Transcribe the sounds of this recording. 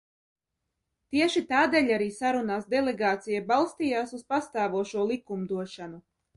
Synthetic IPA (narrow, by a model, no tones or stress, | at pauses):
t̪iɛʃit̪aːd̪eːʎʲaɾiːsaɾunaːsd̪ɛlɛɡaːt̪sijabalˠst̪iːjaːsuspast̪aːvuɔʃuɔlˠikumd̪uɔʃanu